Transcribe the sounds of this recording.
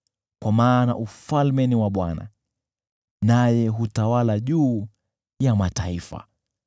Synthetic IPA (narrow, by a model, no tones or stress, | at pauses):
kwamaːnaʔufalmɛniwaɓwa̰na̰ | najɛɦutawalaʄuː | jamataifa̰